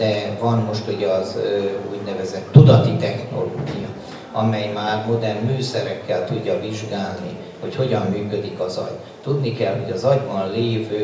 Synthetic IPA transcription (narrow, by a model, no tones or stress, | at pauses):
d̪̥ɛvɒnmo̞ʃt̪uɟɒzøuɟnɛvɛzɛt̪ːud̪ɒt̪it̪ɛxno̞̰loːɡijɒ | ɒ̰mɛjmaːrmod̪ɛnmyːsɛɾɛkːɛlt̪uɟːɒviʒɡaːlni | ho̞cho̞ɟɒmːyːkø̞d̪ikɒzɒ̰ɟ | t̪ud̪nikɛlho̞̰ɟɒzɒɟbɒnleːvøː